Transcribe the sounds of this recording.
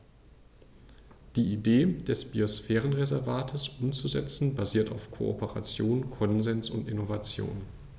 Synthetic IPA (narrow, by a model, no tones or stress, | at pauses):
d̥iːideːd̥ɛsb̥iosfɛːʁ̞ənʁezɛɐvaːtʰəsʔʊmt͡suzɛ̰t͡sn̩baziːɐtaʊfkʰo̰o̰pəʁa̰t͡sjoːnkʰɔnzɛnsʊntɪnovat͡sjo̰ːn